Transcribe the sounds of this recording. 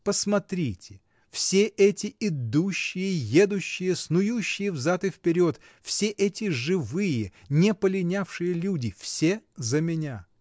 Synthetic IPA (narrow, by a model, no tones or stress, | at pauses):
pəsmɐt̪ɾʲitʲɪ | fsʲeʔɛtʲɪɪd̪uɕːɪjəjed̪ʊɕːɪjəsnʊjuɕːɪjəvzat̪ɨfpʲɪɾʲo̞t̪ | fsʲeʔɛtʲɪʐɨvɨjə | nʲɪpəlʲɪnʲafʂɨjəlʲudʲɪfsʲezəmʲɪnʲa